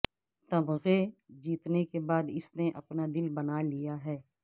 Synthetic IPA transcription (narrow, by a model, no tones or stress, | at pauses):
t̪ɐbɣed͡ʒiːt̪nekebaːd̪ɪsneʔɐ̰pnad̪ɪlbɐnalijaɦɛː